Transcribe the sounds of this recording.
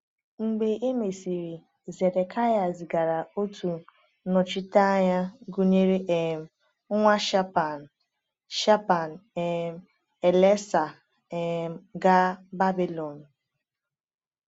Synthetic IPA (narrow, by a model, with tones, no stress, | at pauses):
ŋ͡m̩˨ɡ͡be˨ʔe˦me˨si˨ɾi˨ | ze˨de˨kʰa˦ja˨zɡa˨ɾa˨o˦tʰu˨ | nɔ˨t͡ʃi˦ta˦ɲa˦ɡu˦ɲe˦ɾe˦ʔe˨m̩˨ | ʊ˦ŋʷa˦ʃa˦pa˨ | ʃa˦pa˨n˨e˨m˦ | e˨le˦sa˨ | e˨m̩˨ɡa˦ba˦bi˨lɔ˨n̩˨